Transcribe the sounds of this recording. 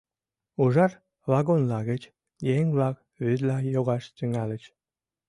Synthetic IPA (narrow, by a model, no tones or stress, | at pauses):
uʒɑr | βɑɣonlɑɣət͡ɕ | jeŋβlɑk̚ | βyd̪lɑjoɣɑʃt̪yŋɑlə̆t͡ɕ